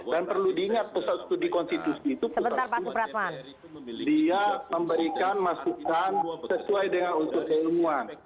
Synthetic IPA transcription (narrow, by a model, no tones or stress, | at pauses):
danpərludiːŋat̪̚pusat̪st̪udikɔnst̪it̪usiːt̪upsəbət̪arpasʊpəɾat̪man | diaməmbəɾikanmasukansəsuajdəŋanunt̪ʊʔ̚kəimuan